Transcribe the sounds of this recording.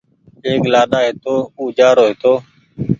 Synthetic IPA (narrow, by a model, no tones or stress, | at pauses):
eːklaːɗaːɦet̪oːuːd͡ʒaːɾoːɦet̪oː